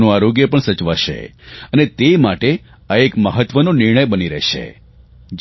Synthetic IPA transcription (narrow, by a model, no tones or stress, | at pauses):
nũaɾoɡjəpəɳsət͡ʃʋaʃḛənet̪emaʈe | aekməɦət̪ʋənonɪɾɳ̃əjbəniɾɛ̰ʃḛ | d͡ʒ